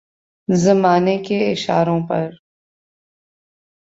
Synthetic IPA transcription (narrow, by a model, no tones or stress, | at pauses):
zɐmaːnekeɪʃa̰ːɾõpɐ̰ɾ